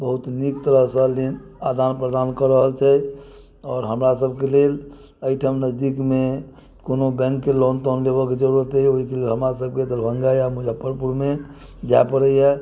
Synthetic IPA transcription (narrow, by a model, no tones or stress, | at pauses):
bəɦut̪nik̚t̪əɾəɦsə̃lenad̪anpɾəd̪ankəɾəɦəlt͡ʃʰɛ | ɔːɾɦəmɾasəb̚kelel | əiʈʰamnəd͡ʒd̪ikme | konobɛ̃ŋkːelɔnʈɔnlebəked͡ʒəɾut̪ɛoɦikelelɦəmɾasəb̚ʱket̪əɾbʱə̃ŋɡajamud͡ʒʱapəɾpuɾme | d͡ʒajpəɾəiɦɛ